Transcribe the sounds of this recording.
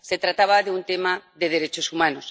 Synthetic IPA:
set̪ɾat̪aβaðeunt̪emaðeðeɾet͡ʃosumanos

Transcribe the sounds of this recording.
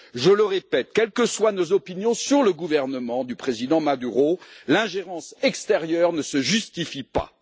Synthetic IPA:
ʒələʁepɛt̪̚kʲɛlkəswanozɔpinjɔ̃syʁləɡuvɛʁnəmɑ̃d̪ypχezid̪ɑ̃mad̪yʁolɛ̃ʒeʁɑ̃sɛkst̪eʁjœʁnəsəʒyst̪ifipa̰

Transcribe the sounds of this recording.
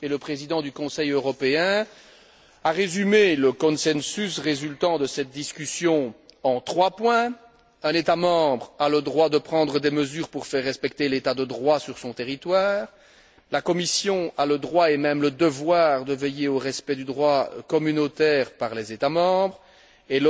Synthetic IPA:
ɛləpχezid̪ɑ̃d̪ykɔ̃sɛjøʁɔpeɛ̃ | aʁezymeləkɔ̃nsɛnsysʁezylt̪ɑ̃d̪əsɛt̪̚d̪iskʲysjɔ̃ɑ̃t̪χwapwɛ̃ | ɛ̃net̪amɑ̃ːbʁaləd̪ʁwad̪əpχɑ̃d̪ʁəd̪ɛməzyːʁpuʁfɛʁːɛspɛkt̪elet̪ad̪əd̪ʁwasyʁsɔ̃t̪eʁit̪waːʁ | lakɔmisjɔ̃aləd̪ʁwaemɛmləd̪əvwaːʁd̪əvejeoʁɛspɛd̪yd̪ʁwakɔmynot̪ɛːʁpaʁlɛzet̪amɑ̃bʁ | el

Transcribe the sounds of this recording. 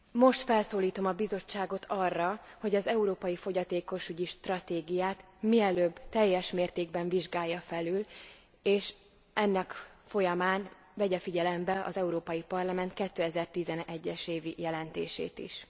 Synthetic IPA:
mo̞ʃt̪fɛlsoːliːt̪o̞mɒbizo̞t͡ʃːaːɡo̞t̪ʰɒrːɒho̞ɟɒzɛuɾoːpɒjifo̞ɟɒt̪eːko̞ʃyɟiʃt̪rɒt̪eːɡijaːt̪ | miɛløːbːt̪ɛjːɛʃmeːrt̪eːɡ̚bɛɱviʒɡaːjːɒfɛlyl | eːʃ | ɛnːɛkfo̞jɒmaːn | vɛɟɛfiɟɛlɛmbɛʔɒ̰zɛuɾoːpɒjipɒrlɒmɛnt̪̚kɛt̪ːøːɛzɛrt̪izɛnɛɟːɛʃeːvijɛlɛnt̪ḛːʃḛːt̪ḭʃ

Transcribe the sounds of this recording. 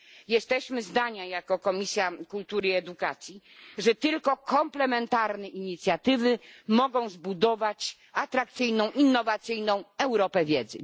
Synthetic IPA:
jɛst̪ɛɕmɘzd̪aɲajakɔkɔmʲisʲjakult̪uɾɘɛd̪ukat̪sʲji | ʐɛt̪ɘlkɔkʰɔmplɛmɛnt̪aɾnɛʔiɲit̪sʲjat̪ɘvɘmɔɡɔ̃w̃zbud̪ɔvat͡ɕ | at̪ɾakt̪sɘjnɔ̃w̃ʔinːɔvat̪sɘjnɔ̃w̃ɛwɾɔpɛvʲjɛd̪zɘ̰

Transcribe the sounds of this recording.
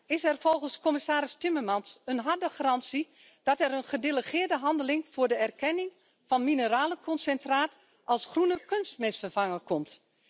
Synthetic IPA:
ɪsɛrfɔlˠɣənskɔmɪsaːɾɪstɪmərmɑnsənɦɑrdəxarɑnsi | d̥ɔtɛɾənχədeləχɪːrdəɦɑndəlɪŋfʊːrdəɛrkɛnɪŋ | fɔnminəraːləkʰɔnsɛntraːt | ʔɑlˠsxrunəkønstmɪsfərvɑŋəkɔmt

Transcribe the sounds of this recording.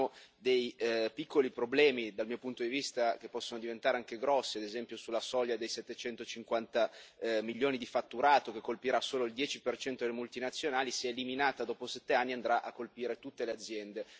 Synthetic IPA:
od̪ejpikʰːolipɾoblɛːmid̪almiːopunt̪od̪ivist̪ak̟epːɔsːonod̪ivent̪aːɾeaŋkeɡɾɔsːiad̪ezɛmpjosulːasɔʎjad̪ejsɛt̪ːet͡ʃɛnt̪ot͡ʃiŋkwant̪amiljːoːnid̪ifat̪ːuɾaːt̪ok̟ekːolpiɾasːoːloild̪jɛːt͡ʃipert͡ʃɛnt̪od̪elemult̪inat̪sːjonaːlisiɛliminaːt̪ad̪ɔːposɛt̪ːeanːiand̪ɾaʔakːolpiːɾet̪ut̪ːelead̪zːjɛnd̪e

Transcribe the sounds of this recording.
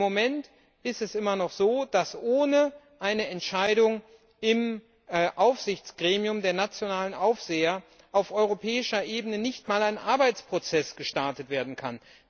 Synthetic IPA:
momɛnt | ʔɪstɛsʔɪmɐnɔχz̥oːd̥asʔoːnə | ʔaɪnəɛntʃaɪdʊŋ | ɪm | ʔaʊfz̥ɪçt͡sɡ̥ʁeːmiʊmdeːɐnat͡sjonaːlənʔaʊfz̥eːɐ | ʔaʊfʔɔʏʁ̞opʰɛːɪʃɐʔeːbənənɪçtmaːlaɪnʔaɐbaɪt͡spʁ̥ot͡sɛsɡ̥əʃtaɐtətv̥eːɐdn̩kʰa̰n

